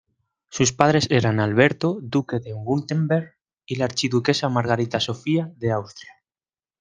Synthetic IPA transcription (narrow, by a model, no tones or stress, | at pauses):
suspaðɾe̞seɾanalβe̞ɾt̪od̪ukeðewult̪embeɾɣ | ilaaɾt͡ʃiðuke̞samaɾɣ̞aɾit̪asofiaðeawst̪ɾja